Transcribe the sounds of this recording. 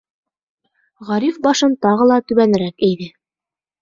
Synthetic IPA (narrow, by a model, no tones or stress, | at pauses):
ʁɑɾifbɑʃɤnt̪ɑʁɤlˠɑt̪ɵ̆βænɘ̆ɾækæjðɘ